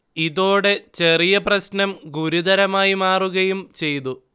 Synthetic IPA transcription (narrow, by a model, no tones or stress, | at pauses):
iðo̞ːɽe̞t͡ɕe̞rijɐprɐɕnɐmɡuɾuðɐɾɐmaːjimaːruɣɐjumt͡ɕe̞jt̪u